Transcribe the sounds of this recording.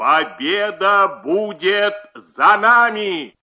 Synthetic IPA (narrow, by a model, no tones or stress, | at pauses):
pɐbʲeːd̪ɐbud͡ʑeːt̪zɐnaːni